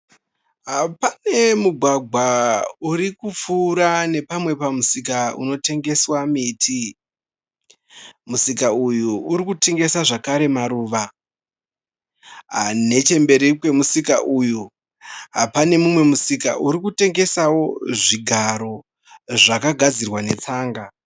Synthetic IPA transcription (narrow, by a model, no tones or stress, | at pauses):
ɦapane̞muɡʱwaɡʱwauɾikup͡fuɾane̞pamwe̞pamusikaṵno̞te̞ŋɡe̞swamitʰi | musikaujuːɾikuteŋɡe̞saʐakaɾe̞maɾuːʋa | ne̞t͡ʃe̞mbe̞ɾikwe̞musikaʔuju | ɦapane̞mumwe̞musika̰ʔuɾikute̞ŋɡe̞sawo̞ʐiɡʱaɾo̞ | ʐakaɡʱad͡zirwane̞t͡saːŋɡa